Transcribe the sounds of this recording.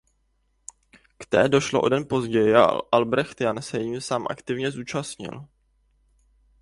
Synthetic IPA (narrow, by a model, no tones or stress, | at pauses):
kt̪ɛ̰ːdo̞ʃloʔo̞̰dɛnpo̞zɟɛjɪʔalbɾɛxt̪jansɛjjiːmsaːmʔa̰kt̪ɪvɲɛzuːt͡ʃasɲɪ̰l